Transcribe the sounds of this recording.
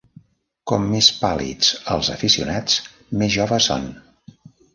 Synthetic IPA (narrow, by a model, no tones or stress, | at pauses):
kɔmːespalḭt͡səlˠzəfisiṵnat͡s | mezʒɔβəso̰n